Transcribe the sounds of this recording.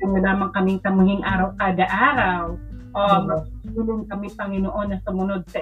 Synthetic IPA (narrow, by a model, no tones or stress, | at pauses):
ɐnːɐlaːmɐŋkɐmɪŋtɐmʊɦɪŋʔaːɾɐwkaːd̪ɐʔaːɾawʔouːloŋkɐmɪpɐŋɪnoʔonːɐsʊmʊnod̪̚sɐ